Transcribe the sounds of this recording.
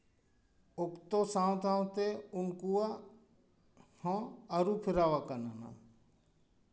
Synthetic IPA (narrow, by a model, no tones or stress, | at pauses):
ʊkt̪osãːwt̪ʰãːwt̪eʊnkua | hãəɾupʰɪɾaːʋakənana̰